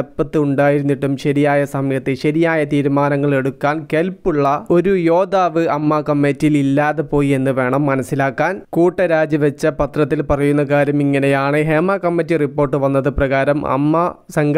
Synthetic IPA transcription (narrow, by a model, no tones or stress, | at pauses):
ɐpːɐt̪ːɨuɳɖaːjiɾunːiʈːumɕɐɾijaːjɐsɐmjɐt̪ːɨɕɐɾijaːjɐt̪iːɾumaːnɐŋːɐɭe̞ɽukːaːnkelpːuɭːɐo̞ɾujo̞ːd̪aːʋɨɐmːɐkɐmːetːjililːaːðepo̞ːjie̞nːɨʋe̞ːɳɐmːɐnɐsːilaːkːaːnkuːʈːɐɾaːd͡ʑiʋɐt͡ɕːɐpɐt̪rɐt̪̬ːilpɐrɐjunːɐkaːɾumiŋːɐnejaːɳɨɦeːmɐkɐmːetːiripːo̞ːrʈːɨʋɐnːɐðɨprɐɣaːɾɐmɐ̰mːɐsɐŋɡ